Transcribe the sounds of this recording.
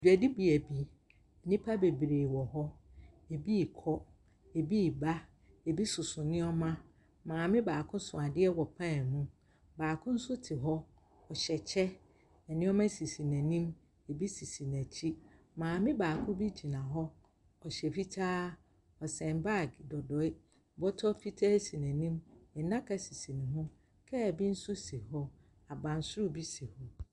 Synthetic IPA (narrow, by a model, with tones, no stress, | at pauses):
d͡ʒᶣɥæ˨di˦bi˨æ˨bi˦ | ɛ˨nĩ˦pʰa˦be˨bɾeː˨wɔ˨ɦɔ˦ | e˨bi˦˨kʰɔ˦ | e˨bi˦˨ba˦ | e˨bi˦sʊ˨sʊ˨nɪ̃˦ɔ˦mã˦ | mãː˨mɪ̃˦baː˨kʰʊ̃˦sʊ̃˨a˨dɪ˦ɛ˦wɔ˨pʰã˦˨mũ˦ | baː˨kʰʊ̃˦n̩˦sʊ˦tʰɪ˨ɦɔ˦ | ɔ˨ɕɛ˨t͡ɕʰɛ˦ | ɛ˨nɪ̃˦ɔ˦mæ̃˦si˨si˨næ̃˨nĩ˦m | e˨bi˦si˨si˨næ̃˨t͡ɕʰi˦ | mãː˨mɪ̃˦baː˨kʰʊ̃˦bi˦d͡ʑi˨nã˨ɦɔ˦ | ɔ˨ɕɛ˨fi˦tʰaː˦ | ɔ˨sɛ̃˨nba˦˨ɡdɔ˨dɔ˨ɪ˦˨ | bɔ˦tʰɔ˦fi˦tʰaː˦si˨næ̃˨nĩ˦mɪ˨nã˦kʰa˦si˨si˨nĩ˨ɦʊ̃˦ | kʰɛ˦˨bi˦n̩˦sʊ˦si˨hɔ˦ | a˨bã˨n˨sʊ˦ʊ˦˨bi˦si˨hɔ˦